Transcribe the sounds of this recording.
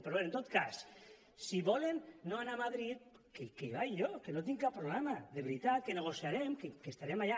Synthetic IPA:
peɾoβeɾent̪ot̪kas | siβɔlenːoanamaðɾit̪̚ | kekeβajʎokenot̪iŋkappːɾoβlamaðeβɾit̪at̪̚keneɣ̞osjaɾemkekest̪aɾemaʎa

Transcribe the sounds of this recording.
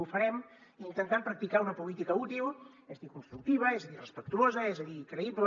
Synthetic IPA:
ufəɾɛm | int̪ənt̪ampɾək̚t̪ikaunəpulit̪ikəut̪ilˠ | ɛzðikunst̪ɾuk̚t̪iβ̞əɛzəðirəspək̚t̪uozəezəðiːkɾəiblə

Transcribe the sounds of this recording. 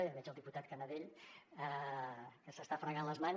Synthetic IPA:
βɛd͡ʒəlˠd̪iput̪at̪̚kənəðeʎə | kəsəst̪afɾəɣanləzman

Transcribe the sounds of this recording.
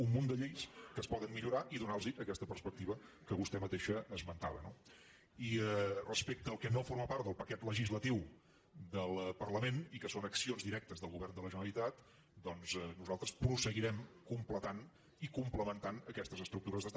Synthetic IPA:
unmund̪əʎejskəspɔðənmːiʎuɾaʔiðunalˠziʔəkɛst̪əpərspək̚t̪iβ̞ə | kəβust̪ɛmət̪eʃəːzmənt̪aβəno | irəspek̚t̪əːlˠkɛnofoɾməpaɾt̪d̪əlˠpəkɛt̪ləʒizlət̪iw | d̪əlˠpərləmenikəsonəksionzðiɾɛk̚t̪əzðəlˠɣuβɛrnd̪ələʒənəlit̪at̪ | d̪ɔnzɛnuzalˠt̪ɾəspɾusəɣiɾɛmkumplət̪an | ikumpləmənt̪anəkɛst̪əzəst̪ɾuk̚t̪uɾəzðəst̪

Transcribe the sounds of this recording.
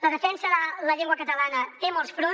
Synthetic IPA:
ləðəfɛnsəðələʎeŋɡwəkət̪əlanət̪emolˠsfɾo

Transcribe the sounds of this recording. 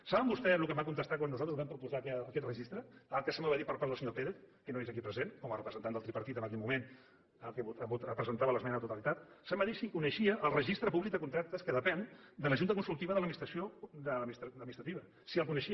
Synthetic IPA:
saβəmbust̪ɛlukəmbakunt̪əst̪akwanːuzat̪ɾəzβɛmpɾupuzakɛəkɛt̪rəʒist̪ɾəəlˠkəsəmaβaðipəɾpaɾðəlˠsəɲopeɾeθkənoezəkipɾəzenkɔmərəpɾəzənt̪anəlˠt̪ɾipəɾt̪it̪əməkɛlmumen | əkeβuəbut̪əpɾəzənt̪aβələzmɛnət̪ut̪əlit̪at̪səmbaðisikunəʃiəʔːlˠrəʒist̪ɾəpuβlik̚d̪əkunt̪ɾak̚t̪əskəðəpɛnd̪ələʒunt̪əkunsulˠt̪iβəðələmist̪ɾəsiod̪əmst̪d̪əminist̪ɾət̪iβə | siəlˠkunəʃi

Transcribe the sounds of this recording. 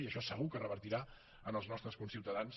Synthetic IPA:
iəʃɔsəɣ̞ukərəβəɾt̪iɾa | ənəlˠznɔst̪ɾəskunsiwt̪əðans

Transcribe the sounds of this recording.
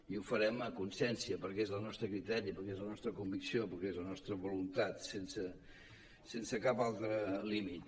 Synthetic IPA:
iufəɾɛməkunsɛnsiəpəɾkɛezlənɔst̪ɾəkɾit̪ɛɾipəɾkezlənɔst̪ɾəkumbiksiopəɾkɛezlənɔst̪ɾəβulunt̪at̪sensə | sensəkapalˠt̪ɾəlimit̪

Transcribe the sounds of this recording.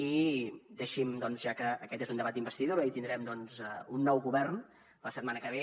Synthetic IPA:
id̪eʃimd̪ɔnzʒakəːkɛt̪ezund̪əβat̪imbəst̪iðoɾəit̪ind̪ɾɛmd̪ɔnzəunːɔwɣuβɛrn | ləsət̪̚manəkəβ̞e

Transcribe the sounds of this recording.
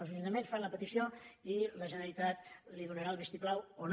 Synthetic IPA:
lˠzlinəmẽnsfanləpət̪isioiləʒənəɾəlit̪at̪liðunəɾalˠβɛst̪iplawon

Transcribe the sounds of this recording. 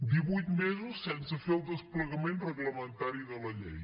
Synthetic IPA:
d̪iβujt̪mezusːɛnsəfeəlˠd̪əspləɣəmenrəɣləmənt̪aɾiðələʎḛj

